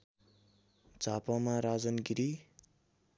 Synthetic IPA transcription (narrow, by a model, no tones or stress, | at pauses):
d͡zapamaɾad͡zʌnɡiɾi